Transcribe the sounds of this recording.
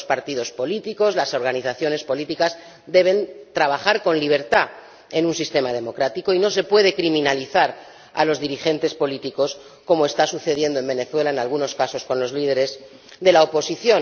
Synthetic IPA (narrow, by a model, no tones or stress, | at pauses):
spaɾt̪iðo̞spo̞lit̪iko̞zlaso̞ɾɣaniθaθjo̞ne̞spo̞lit̪ikaz | d̪e̞β̞e̞nt̪ɾaβ̞aχaɾko̞nliβ̞e̞ɾt̪a | e̞nũnsist̪e̞mað̞e̞mo̞kɾat̪iko̞ino̞se̞pwe̞ð̞e̞kɾimĩnaliθaɾ | a̰lo̞zðiɾixe̞nt̪e̞spo̞lit̪iko̞s | ko̞moe̞st̪asuθe̞ð̞je̞nd̪oe̞mbe̞ne̞θwe̞laenalɣ̞uno̞skaso̞sko̞nlo̞zliðe̞ɾe̞z | ðe̞laopo̞siθjo̞